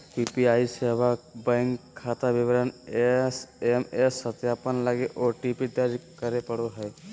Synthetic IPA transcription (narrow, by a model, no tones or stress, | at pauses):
pipiaːiseːbabɛ̃ŋkʰːaːt̪aʋɪʋəɾənesemesːət̪jaːpənləɡeʔoʈipid̪əɾd͡ʒkəɾepəɽoɦɛ